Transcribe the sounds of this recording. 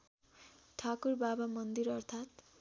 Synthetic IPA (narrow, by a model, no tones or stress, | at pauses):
ʈʰakurbabamʌnd̪iɾʌrt̪ʰat̪